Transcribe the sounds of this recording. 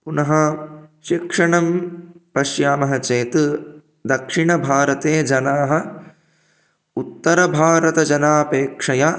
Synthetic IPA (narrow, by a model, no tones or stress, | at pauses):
punɐɦɐʃikʂɐɳɐmpɐʃjaːmɐɦɐt͡ʃeːt̪u | d̪ɐkʂiɳɐbʱaːɾɐt̪eːd͡ʒɐnaːɦɐ̆ | ut̪ːɐɾɐbʱaːɾɐt̪ɐd͡ʒɐnaːpeːkʂɐja